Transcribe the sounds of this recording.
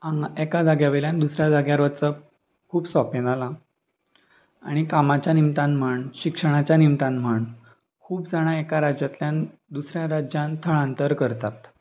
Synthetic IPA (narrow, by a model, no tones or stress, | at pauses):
ãekad͡zaɡjaʋeljãnd̪usɾjad͡zaɡjaɾʋət͡sə | kʰuːbsɔpẽnala | a̰ɽ̃ikamat͡ɕjanimt̪ãnm̤əɳɕikʂəɽ̃at͡ɕjanimt̪ãnm̤əɳ | kʰuːpd͡zaɽ̃aekaɾad͡ʑjat̪ljan | d̪usɾjaɾad͡ʑjãnt̪ʰəɭãnt̪əɾkəɾt̪at̪